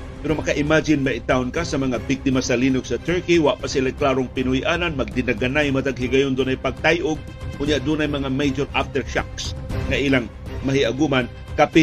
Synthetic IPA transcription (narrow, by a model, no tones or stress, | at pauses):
pɛɾomɐkaʔɪmad͡ʒɪnmaʔɪt̪aʊnkasɐmɐŋabɪk̚t̪ɪmasɐliːnʊɡsɐt̪ɛɹkiwaʔpasɪlaklaːɾʊŋpɪnʊhjʔananmɐɡ̚d̪ɪnaɡanajmat̪aɡɦɪɡajʊnd̪unajpaɡ̚t̪ajʔʊɡ̚ | ʔʊnjaʔd̪unajmɐŋamejd͡ʒoɾʔaft̪ɛɹʃa̰ksŋaʔilaŋmahɪʔaɡuman | kapɪ